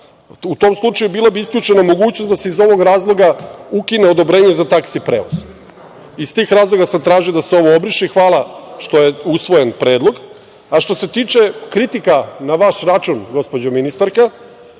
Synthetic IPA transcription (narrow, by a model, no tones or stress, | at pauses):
ut̪o̞ːmslˠut͡ʃajubiːlˠabiiskʎut͡ʃe̞namo̞ɡuːt͡ɕnosd̪ase̞izo̞ʋo̞ɡɾaːzlˠo̞ɡaukineod̪o̞bɾe̞ːɲezat̪aksipɾeːʋo̰z | ist̪iːxɾaːzlˠo̞ɡasamt̪ɾaːʒid̪aseo̞ʋo̞obɾiʃixʋaːlˠaʃt̪o̞jeusʋo̞jenpɾe̞ːd̪lo̞ɡ | aʃt̪o̞set̪iːt͡ʃe̞kɾit̪ikanaʋaʃɾat͡ʃunɡo̞spod͡ʑominist̪aɾka